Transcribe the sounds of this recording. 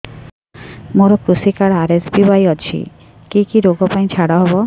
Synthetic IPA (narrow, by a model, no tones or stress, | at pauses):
moɾokusikaɽaɾesbibajɔt͡ɕʰḭ | kikiɾoɡɔpaj̃t͡ɕʰaɽaɦɔbo